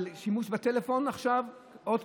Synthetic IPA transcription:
lʃimuʃbat̪elefo̞naχʃav | ʔod̪

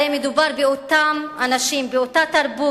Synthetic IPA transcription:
emːed̪ubaʁbeo̞t̪amanaʃimbeo̞tat̪aʁbu

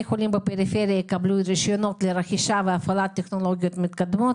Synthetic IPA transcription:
jexolimbəpeɾifeɾijajikablujɾeʃjonot̪leɾaxiʃaveafalat̪ʲːexnoloɡʲijot̪mit̪kad̪mot̪

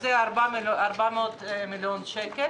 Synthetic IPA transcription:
zɛaɾbaaɾbamot̪miljonʃɛke

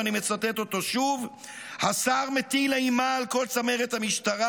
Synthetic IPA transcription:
anime̞t͡sat̪et̪o̞t̪o̞ʃuv | hasaʁmet̪ilaimaːlko̞lt͡sameʁet̪hamiʃtaʁa

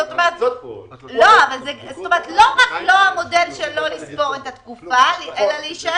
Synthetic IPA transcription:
zot̪omeʁt̪ | lo̞avalzezot̪omeət̪lo̞ʁaklo̞hamo̞delʃelo̞lisbo̞ʁetat̪kufalelaleiʃ

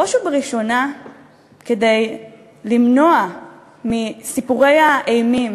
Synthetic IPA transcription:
oʃubeʁiʃo̞na | ke̞dej | limno̞a | misipuʁe̞jaʔejmim

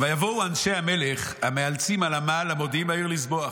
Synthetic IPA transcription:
vajavowanʃeameleχ | hamealt͡simalamaːlamod̪imaiʁlisboaχ

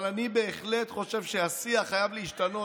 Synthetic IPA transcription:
lanibe̞ːχle̞tχo̞ʃe̞vʃeasiaχajavleiʃtano̞

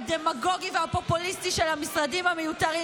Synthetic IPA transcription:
demaɡo̞ɡivehapo̞pulistiʃe̞lhamisʁadimhamejut̪aʁi

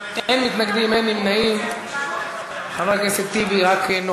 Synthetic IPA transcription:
enmit̪naɡd̪imenimnaim | avalkeset̪iviʁakno

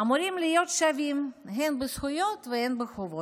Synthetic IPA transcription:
amuɾimlijo̞t̪ʃavimɦenbesχujot̪vehenbexovo

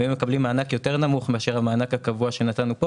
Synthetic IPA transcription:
imːekablimːaːnakjo̞te̞ʁnamuχmeaʃe̞ʁhamaːnakakavuaʃe̞natanupo

